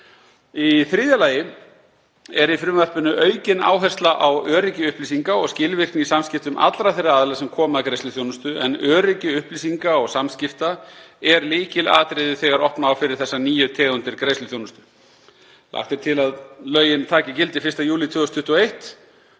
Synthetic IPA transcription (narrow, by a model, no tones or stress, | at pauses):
iθɾiːðjalaːjɪ | ɛɾifɾʏmvɛr̥pʏnʏʔœːɥcɪna̰ːwɦɛst̪laʔawœːɾɪcɪʏhplisiŋkaɔɣscɪlvɪr̥knɪisamscɪft̪ʏmʔa̰t̪lɾaθejɾaaːðlɛɣasɛmkʰɔːmaðkɾejst̪ʏθjownʏst̪ʏɛ̰nœːɾɪcɪʏhplisiŋkaɔɣsamscɪft̪aɛɾliːcɪla̰ːt̪ɾɪðɪθɛːɣaɾɔhpnaːwfɪɾɪɾ̥θɛsːaniːjʏt̪ʰɛːɣʏnt̪ɪɾkɾejst̪ʏθjownʏst̪ʏ̥ | la̰ht̪ɛɾ̥t̪ʰɪlaðlœːɥjɪnt̪ʰaːcɪcɪlt̪ɪfɪr̥st̪ajuːlɪit̪ʰv̥ʏːʏst̪ʰʏht̪ːɔejht̪